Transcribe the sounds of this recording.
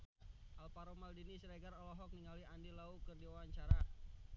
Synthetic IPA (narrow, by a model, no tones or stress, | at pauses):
ʔalpaɾɔmaldinisɾeɡaɾɔlɔɦɔk̚niŋaliandilaukərdiawwaɲt͡ʃaɾa